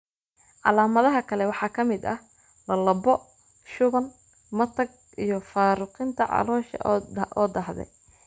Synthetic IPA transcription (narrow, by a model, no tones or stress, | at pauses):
ʕɑ̰laːmɐðɐɦɐkʰɐlɛwɑħɑːkʰɐmɪd̪ɐh | lɐlɐbɔ | ʃʊβɐn | mɐt̪ʰɐɡ̚ | ʔijɞfaːɾʊqint̪ʰɐʕɑ̰lɔːʃɐ̰ɔːd̪ɐhðɛ̰j